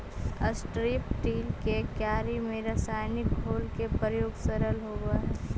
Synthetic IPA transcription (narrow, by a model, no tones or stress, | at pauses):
əsʈɾiːpʈiːlkekjaːɾimẽɾəsaːjnɪkɦoːlkepɾəjoːɡsəɾəlɦoːɡaɦɛ